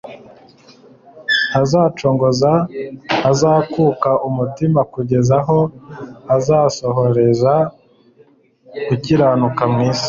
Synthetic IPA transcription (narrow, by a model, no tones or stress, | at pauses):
hazaːt͡ʃo̞ːŋɡo̞zahazakukaʔumutimakuɟe̞zaɦo̞azaːso̞ɦo̞ɾe̞za | kuciɾanukamŋiːsi̥